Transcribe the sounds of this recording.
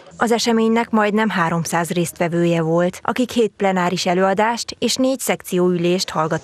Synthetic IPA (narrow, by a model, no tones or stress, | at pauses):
ɒzɛʃɛmeːɲnɛkmɒjd̪nɛmɦaːɾo̞msaːzreːst̪ʋɛvøːjɛvo̞lt̪ʔɒ̰kikheːt̪̚plɛnaːɾiʃɛløːɒd̪aːʃt̪eːʃneːcsɛk̚t̪sijoːyleːʃt̪hɒlɡɒt̪